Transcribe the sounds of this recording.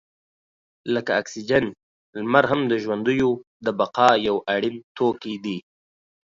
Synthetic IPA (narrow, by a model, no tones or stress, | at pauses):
ləkaːksid͡ʒan | lmaɾɦamd̪əʒwand̪ujod̪əbaqɑjawaɽimt̪okid̪i